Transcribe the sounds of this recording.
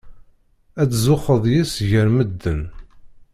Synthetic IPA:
æt͡szʊχəðˤjisʝəɾməd̪ːən

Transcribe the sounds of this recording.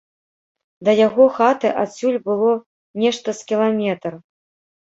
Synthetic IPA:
d̪ɐjaɣɔxat̪ɨʔasʲulʲbɨlˠɔ | nʲɛʂt̪ɐskʲilˠamʲɛt̪r

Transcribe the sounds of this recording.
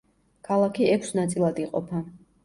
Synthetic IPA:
kʰalˠakʰiɛkʷʰsnat̪sʼilˠad̪iqʼɔ̰pʰa

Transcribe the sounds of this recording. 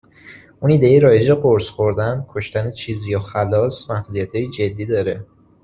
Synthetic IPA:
uniːd̪ejiɾɒːje̞d͡ʒeɢoɾsxo̞ɾd̪ænkʰo̞ʃt̪ænet͡ʃʰiːzjɒːxælɒːsmæhd̪uːd̪ijæt̪ʰhɒːjid͡ʒe̞d̪ːiːd̪ɒːɾe

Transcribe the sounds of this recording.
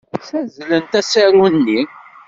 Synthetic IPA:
θæzlənt̪æsæɾunːi

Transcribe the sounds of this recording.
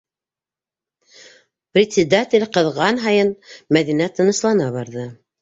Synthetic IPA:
prʲɪt̪ʲsʲɪd̪atʲɪlʲqɤ̆ðʁɑnɦɑjɤnmæðinæt̪ɤ̆nɤ̆ʃlˠɑnɑβɑɾðɤ

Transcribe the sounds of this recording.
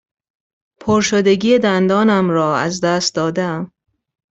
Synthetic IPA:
pʰoɾʃod̪e̞ɟiːed̪ænd̪ɒːnæmɾɒːæzd̪æːst̪̚d̪ɒːd̪eæm

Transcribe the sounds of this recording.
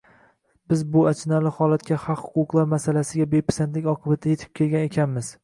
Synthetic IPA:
bɪzbʊat͡ʃʰɪnalɪhɒlˠat̪̚kʲahɑqhʊ̥qʊqlˠaɾmasalasɪɡʲabepʰḁsant̪lɪkʲɒqʰɨbat̪ʰaje̞t̪ʰɪ̥p̚kʲʰe̞lˠɡʲane̞kʲʰanmɪz̥

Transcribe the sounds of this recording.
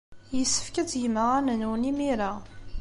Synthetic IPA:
jəsːə̥fkət͡sjməʁænənunimiɾa

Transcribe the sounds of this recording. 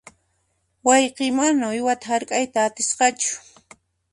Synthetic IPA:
wɑjqemanaʊjwat̪ahaɾkʼajt̪aːt̪ɪsqɑt͡ʃʊ̥

